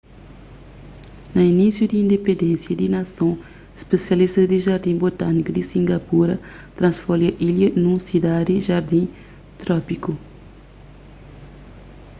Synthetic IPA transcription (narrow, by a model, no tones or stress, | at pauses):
nɐinisjud̪ĩːnd̪epẽnd̪ẽnsjɐd̪inɐsõ | espesjɐlist̪ɐzd̪iʒaɾd̪ĩbot̪anikɐd̪isĩŋɡɐpuɾɐ | t̪ɾɐ̃nsfoliɐʔiljɐnũsid̪ad̪iʒaɾd̪ĩ | t̪ɾɔpiku